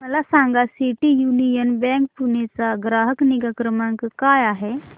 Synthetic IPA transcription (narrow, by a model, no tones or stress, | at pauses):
məlasãŋɡasiʈijunijənbɛ̃ːŋk̚punet͡saɡɾaːɦəkniɡakɾəmãŋkkaːjaɦe